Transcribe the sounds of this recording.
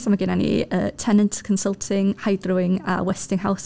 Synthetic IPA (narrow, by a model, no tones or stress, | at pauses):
samaɡɪnanḭəːtʰɛnəntʰkʰənsəlˠtʰɪŋhajdrʊɪŋa̰wɛstɪŋɦaws